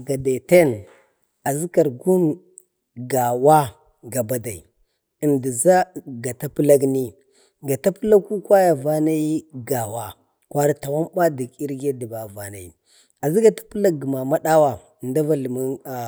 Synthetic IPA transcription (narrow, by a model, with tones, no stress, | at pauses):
ɡa˨da˨te˦n | a˨zi˦ka˨ɾɡu˦m | ɡa˨wa˦ | ɡa˨ba˨da˨i˨ | ə˨ndi˨za˦ɡa˨ta˦pla˦ɡni˦ | ɡa˨ta˦pə˦la˦ku˦kwa˦ja˨va˦na˦ji˦ɡa˨wa˦ | kʷa˦ɾi˦ta˨wa˦mba˦di˨ki˦ɾɡe˦di˨ba˨va˨na̰˨jḭ˨ | a˨zi˦ɡa˨tḁ˦pi˦la˦k̚ːi˨ma˨ma˦ɗa˦wa˨ | nda˦va˨lmu˦n˨